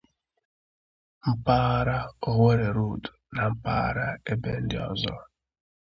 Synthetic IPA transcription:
m̩˦pa˦ɾa˦o˦ɦe˦ɾe˨ɾu˦˨du̥˨na˨m̩˦pa̰ː˦ɾa˦e˦be˦n̩˦dɪ˦ɔ˨zɔ̰˦

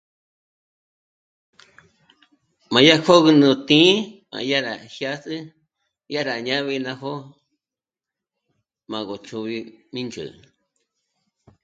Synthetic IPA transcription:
mã˨ja˦kʰo˦ɣɨ˧nũ˧t̪ĩ˦mã̰˨ja˦ɾa̰˨hja˦sɨ˦ | ja˦ɾa˨ɲã˦βi˧nã˧ɦo˦ | mã˨ɣo˨t͡ʃu˧βi˧mĩ˦nt͡ʃɨ̰˨

